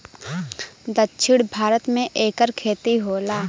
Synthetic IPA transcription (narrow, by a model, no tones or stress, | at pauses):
d̪ətːʃʰɪɽbʱaːɾət̪mẽʔeːkəɾkʰeːt̪iɦoːlaː